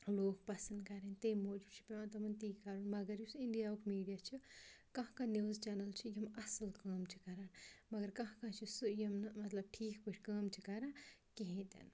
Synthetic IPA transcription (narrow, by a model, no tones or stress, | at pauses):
loːk̚pɐsɐnd̪kaɾent̪ejmoːd͡ʒubt͡ʃʰi̥pɾãːt̪ɐmɐnt̪iːkaɾunmɐɡɐɾjisiɳɖijaukʰmiːɖijat͡ʃʰikɐɦãkaniwzt͡ʃanɐlt͡ʃʰijimɐsɐlkɐːmt͡ʃʰi̥kaɾanmɐɡɐɾkɐɦãkãt͡ʃʰisujimnmɐt̪lɐb̚ʈʰiːkbɨʈʰkɐːmt͡ʃʰikaɾakeɦĩt̪ɐ̰n